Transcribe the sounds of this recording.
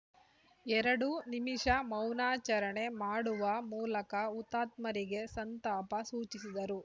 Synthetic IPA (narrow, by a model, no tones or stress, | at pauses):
ɛɾɐɽunimiʂɐmɐwnaːt͡ʃɐɾɐɳe̞maːɽuʋɐmuːlɐkɐut̪ːaːt̪mɐɾiɡe̞sɐnt̪aːpɐsuːt͡ʃisid̪ɐɾu